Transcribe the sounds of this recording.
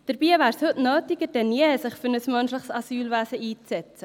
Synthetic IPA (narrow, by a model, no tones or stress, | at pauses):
d̥əɾbiːvæːɾshɵtnœːtɪɡəd̥ɛnjeɛsɪχfʏɾnəsmœnʃlɪχsasyːlvæːsəiːt͡sːɛt͡sə